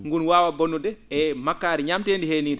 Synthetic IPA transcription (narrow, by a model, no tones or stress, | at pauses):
ŋɡunwaːwabonːudɛɛmakːaːɾiɲamteːndiheːniːdɛ